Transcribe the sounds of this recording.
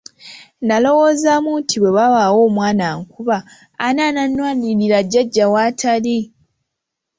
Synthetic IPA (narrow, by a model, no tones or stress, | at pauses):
nalo̞woːzamutʰiβwe̞βawawo̞ːmwaːnaŋkuβaː | naːnanwaːniɾilaɟaɟːawaːtʰali